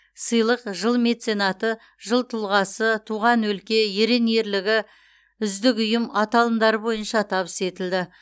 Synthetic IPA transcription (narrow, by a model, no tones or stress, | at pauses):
səjlˠəqʒəlˠme̞t̪se̞nɑt̪ə | ʒəlˠt̪ʰʊlˠʁɑsət̪ʰuʁɑnwɵlkʲe̞je̞ɾe̞nije̞ɾlɪɡʲɪ | ʏzd̪ɪkʊjəmɑt̪ɑlˠənd̪ɑɾəbo̞jənʃɑt̪ʰɑβəse̞t̪ɪld̪ɪ